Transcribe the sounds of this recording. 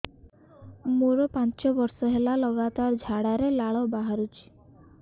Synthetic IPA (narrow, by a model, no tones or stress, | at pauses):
moɾɔpant͡ʃɔbɔɾsɔɦelalɔɡat̪aɾd͡ʒʱaɽaɾelaɭɔbaɦaɾut͡ʃʰi̥